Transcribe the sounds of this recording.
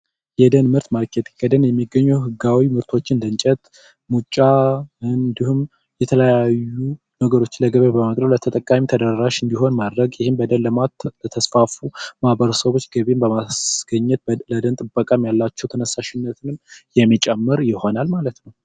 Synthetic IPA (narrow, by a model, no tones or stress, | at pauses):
jɛd̪ənmɨɾt̪malkʰet̪ʰi̥kʰəd̪ənjɛmːiɡːəɲːuwɦɨɡawimɨɾt̪ʰo̞t͡ʃːɪnd̪ənt͡ʃʼɛt̪ | mut͡ʃʼːaɨnnd̪ihum | jɛt̪ʰələjajːu | nəɡəɾo̞t͡ʃːɪnləɡəβebəməkʼɾəβlət̪ʰət̪ʼəkʼːamit̪ʰəd̪əɾaʃɨnd̪iɦo̞nmad̪ɾəɡjɪhɪmbəd̪ənləmaət̪ʰəsfafumahbəɾəsəβo̞t͡ʃːɡəβembəmasɡ̥əɲːɛt̪̚bləd̪ənt̪ʼɨbːəkʼamjalːat͡ʃːɛwt̪ʰənəsːaʃɪnːət̪ʰɨnɨmjɛmːit͡ʃʼɛmːɨɾjɪho̞nalmalət̪nəw